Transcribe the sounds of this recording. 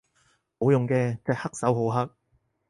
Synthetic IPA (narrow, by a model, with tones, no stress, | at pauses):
ho˨˥wjʊ˨ŋkɛː˧t͡sɐ˨˩hɐ˥k̚sɐ˨˥wɦo˨˥wɦɐ˥k̚